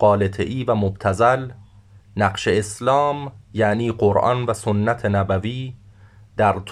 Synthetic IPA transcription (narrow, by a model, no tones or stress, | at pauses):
ɢɒːle̞t̪ʰeʔiːvæmobt̪ʰæzæl | næɢʃeeslɒːmjæʔniːɢoɾʔɒ̰ːnvæsonːæt̪ʰenæbæviː | d̪̥æɾt̪ʰ